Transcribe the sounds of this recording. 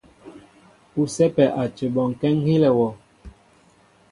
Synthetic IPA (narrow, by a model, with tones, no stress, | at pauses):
u˨sɛ˦pɛ˨ʔa˨t͡ʃe˨ɓɔ˨ŋ˨kɛ˦ŋhi˦lɛ˨wɔ˨